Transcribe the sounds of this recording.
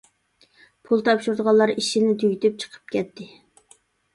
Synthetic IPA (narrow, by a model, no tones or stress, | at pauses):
pʰulˠt̪ʰɑpʃuɾd̪əʁɑllːˠɑɾiʃinɪt̪ʰyɡʲt̪ʰyp̚t͡ʃʰə̥qʰə̥p̚kʲɛt̪ːɪ